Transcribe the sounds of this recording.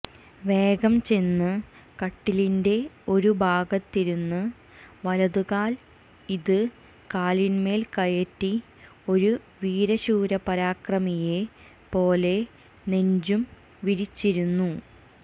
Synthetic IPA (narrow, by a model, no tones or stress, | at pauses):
ʋe̞ːɡɐmt͡ɕe̞nːɨ | kɐʈːilinde̞o̞ɾubʱaːɡɐt̪ːiɾunːɨ | ʋɐlɐðuɣaːl | iðɨ | kaːlinme̞ːlkɐjɐtːi | o̞ɾu | ʋiːɾɐɕuːɾɐpɐɾaːkrɐmije̞ | po̞ːle̞ | ne̞ɲd͡ʑum | ʋiɾit͡ɕːiɾunːu